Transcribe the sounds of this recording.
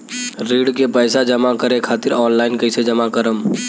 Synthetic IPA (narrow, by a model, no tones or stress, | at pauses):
ɾiːɽkepəɪsad͡ʒəmakəɾekʰaːt̪ɪɾɔːnlaːɪnkəɪsed͡ʒəmakəɾəm